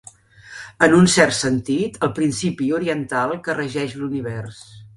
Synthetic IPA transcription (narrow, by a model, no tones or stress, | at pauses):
ənunsɛrt̪sənt̪it̪əlˠpɾinsipiuɾiənt̪alˠkərəʒɛʃluniβɛrs